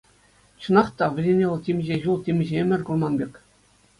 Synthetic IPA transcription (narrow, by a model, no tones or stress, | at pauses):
t͡ɕɤ̆nɑχt̪ɑʋʲɘ̆rʲenʲelˠtʲimʲʑeʑulˠtʲimʲʑemʲɘ̆rʲkurmɑnbʲekʲ